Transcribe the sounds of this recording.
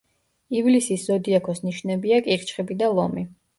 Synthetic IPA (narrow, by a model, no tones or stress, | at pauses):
ivlisisz̥ɔd̪iakʰɔsniʃnɛbiakʼiχt͡ʃʰχibid̪alˠɔmi